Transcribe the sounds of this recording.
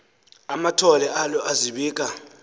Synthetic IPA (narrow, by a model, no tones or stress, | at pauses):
amatʰɔlɛʔalɔʔaziɓiːkʼa